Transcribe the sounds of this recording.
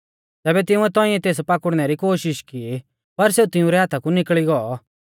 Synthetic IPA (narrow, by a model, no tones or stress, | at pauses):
t̪ɛːbɛt̪̬ɪ̃ũɛt̪ɔ̃ːĩɛt̪eːs̬pakʊɽnɛɾikoːʃɪʃki | pɐɾseːut̪ɪũɾɛɦaːt̪ʰakunɪkɭiɡɔɔ